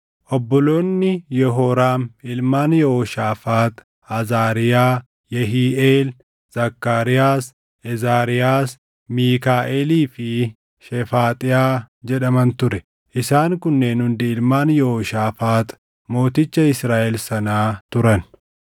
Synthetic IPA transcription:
ʔɔbːɔlo̞ːnːɪjɛɦɔɾaːmɪlmaːnjɛɔʃaːfaːt̪ | ɐzaːɾɪjaː | jɛɦiːʔeːl | z̥ɐkːaːɾɪjaːs | ɛzaːɾɪjaːs | miːkaːʔeːliːfɪ | ʃɛfaːt̪ʼɪjaː | d͡ʒɛɗɐmɐnt̪ʊɾɛ | ʔɪsaːŋkʊnːeːnhʊnd̪ɪɪlmaːnjɛhɔʃaːfaːt̪ | mo̞ːt̪ɪt͡ʃːɐɪsɾaːʔɛlsɐnaːt̪ʊɾɐn

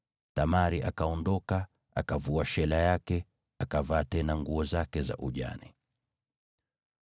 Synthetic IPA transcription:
tamaɾiʔakaɔndɔka | akavuaʃɛlajakɛ | akavaːtɛnaŋɡuɔzakɛza̰ʔuʄa̰ni

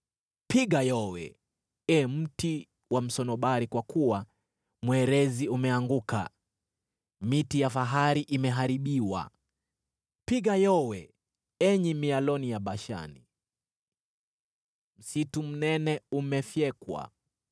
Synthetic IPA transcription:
piɠajɔwɛ̰ | ɛm̩ti | wam̩sɔnɔɓaɾikwakuwa | mwɛɾɛziumɛaŋɡuka̰ | mitijafaɦaɾiʔimɛɦaɾiɓiwa̰ | piɠajɔwɛ | ɛɲimialɔnijaɓaʃa̰ni | m̩situm̩nɛnɛumɛfjɛkwa̰

